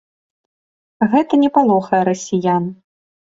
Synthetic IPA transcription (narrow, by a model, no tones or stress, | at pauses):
ɣɛt̪ɐnʲɛpalˠɔxɐjɛɾɐsʲijan